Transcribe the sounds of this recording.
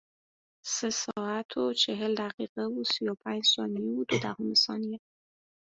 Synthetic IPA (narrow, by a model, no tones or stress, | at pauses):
səsɑat̪ʰot͡ʃeɦɪld̪aqiqawusujɑpʰajd͡ʒsɑnijewud̪od̪aɣumɪsɑ̰nije